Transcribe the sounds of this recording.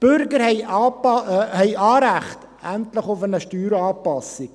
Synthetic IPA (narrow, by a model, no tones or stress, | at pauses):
b̥ʏɾɡəɾhɛɪɑpɑhɛɪʔɑːɾæχt | æntləχʊfənəʃtyːɾɑːpɑsik